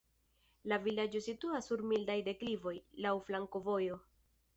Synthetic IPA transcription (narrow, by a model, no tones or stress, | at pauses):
lavilad͡ʒo̞situasːuɾmildajde̞klivo̞jlawflaŋko̞vo̞jo̞